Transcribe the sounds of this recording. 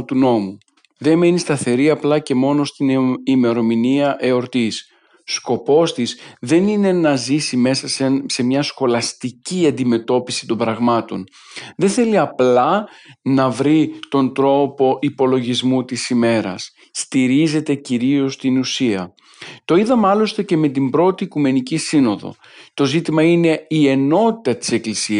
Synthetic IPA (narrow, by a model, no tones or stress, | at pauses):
t̪uno̞mu | ðe̞me̞nist̪ɐθe̞ɾiɐplɐce̞mo̞no̞st̪inime̞ɾo̞miniɐʔe̞o̞ɾt̪is | sko̞po̞st̪isðe̞nine̞nɐzisime̞sɐsese̞mɲɐsxo̞lɐst̪iciɐnd̪ime̞t̪o̞pisi̥t̪o̞mbɾɐɣmɐt̪o̞̰n | ðe̞nθe̞liɐplɐnɐvɾit̪o̞nd̪ɾo̞po̞ʔipo̞loʝizmut̪isime̞ɾɐ̰sː | t̪iɾize̞t̪e̞ciɾio̞st̪inusiɐ̰ | t̪o̞iðɐmɐlo̞st̪e̞ce̞me̞t̪̬imbɾo̞t̪iːkume̞nicisino̞ðo̞̰ | t̪o̞zit̪imɐine̞ie̞no̞t̪i̥t̪ɐt̪i̥se̞klisi